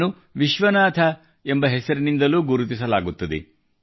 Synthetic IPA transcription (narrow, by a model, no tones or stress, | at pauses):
nu | ʋiʃʋɐnaːt̪ʰɐ | embɐɦesɐɾinind̪ɐluːɡuɾut̪isɐlaːɡut̪ːɐd̪ḛ